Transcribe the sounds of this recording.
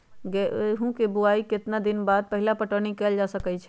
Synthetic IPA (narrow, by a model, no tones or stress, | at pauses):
ɡɛɦũkebuaiket̪nad̪inbad̪̚pəɦilapəʈənikɛld͡ʒasəkɛt͡ʃʰɛ